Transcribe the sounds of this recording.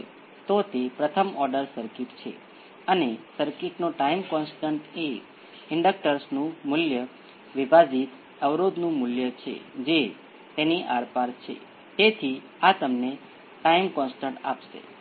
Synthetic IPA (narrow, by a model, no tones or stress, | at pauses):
t̪ot̪epɾət̪ʰəmɔɾɖəɾsəɾkɪʈt͡ʃʰḛ | ənesəɾkɪʈnoʈaimkɔnsʈəɳʈe | ɪɳɖək̚ʈəɾsnũmʊljə | ʋibʱad͡ʒit̪ | əʋɾod̪nũmʊljət͡ʃʰḛd͡ʒe | t̪eniʔaɾpaɾt͡ʃʰḛ | t̪et̪ʰi | at̪əmne | ʈaimkɔ̃nsʈə̃ɳʈa̰pʃḛ